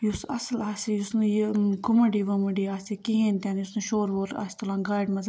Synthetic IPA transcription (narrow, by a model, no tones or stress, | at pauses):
jusɐ̰slaːsijusnjkʊmɐɖiːʋɐmɐɖiaːsikiɦẽnt̪ʲaːnjusnuʃoːɾʋoːɾa̰ːst̪ulãːɡaːjɖmɐz